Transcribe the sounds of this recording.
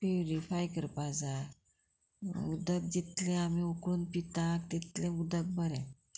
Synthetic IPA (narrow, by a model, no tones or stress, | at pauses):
pewɾifajkəɾpad͡za | ud̪ək̚d͡ʑit̪lẽamiukunpit̪ak̚t̪it̪lẽud̪ək̚bəɾɛ̃